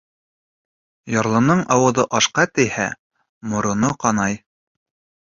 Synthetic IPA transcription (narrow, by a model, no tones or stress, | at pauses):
jɑɾlˠɤ̆nɤɴɑwɤ̆ðɤʔɑʃqɑt̪ɘ̆jhæ̰ | mŏɾŏnoqɑnɑj